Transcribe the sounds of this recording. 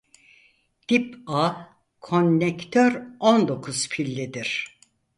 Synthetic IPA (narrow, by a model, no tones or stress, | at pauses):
d̪̥ipa | kʰo̞nːɛkt̪ʰøɾond̪o̞kʰuz̥pʰilʲːid̪iɾ̥